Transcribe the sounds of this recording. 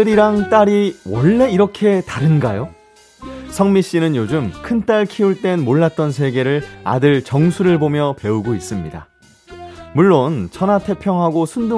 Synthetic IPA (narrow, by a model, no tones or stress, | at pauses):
ɯɾiɾaŋt͈aɾiwʌɭːe̞iɾʌkʰe̞taɾɯnɡajo | sʰʌŋmiɕ͈inɯnjod͡ʑumkʰɯnt͈aɭkʰiuɭt͈e̞nmoɭːat̚t͈ʌnsʰe̞ɡe̞ɾɯɭa̰dɯɭt͡ɕʌŋsʰuɾɯɭbomjʌpe̞uɡois͈ɯmɲida̰ | muɭːont͡ɕʰʌnatʰe̞pʰjʌŋɦaɡosʰundu